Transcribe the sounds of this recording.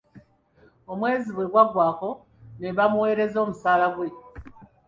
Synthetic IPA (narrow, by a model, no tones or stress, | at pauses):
omwe̞ːziβwe̞ɡwaɡwaːko̞ | neβamuwe̞ːɾe̞zo̞ːmusaːlaɡwe̞